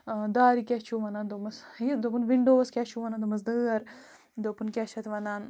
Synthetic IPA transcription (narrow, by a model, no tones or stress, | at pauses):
d̪aːɾikʲeht͡ʃʰuʋɐnaːnd̪omɐsid̪opunʋiɳɖoːskʲat͡ʃʰuʋɐnaːnd̪omɐsd̪ɨːɐɾ | d̪opunkʲaʃʰɐt̪ʋɐnaːn